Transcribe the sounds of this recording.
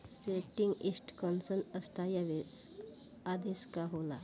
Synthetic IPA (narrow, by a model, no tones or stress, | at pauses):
seːʈĩŋɡɪsʈkɔnsənəst̪ʰaːjaʋes | aːd̪eːskaɦoːla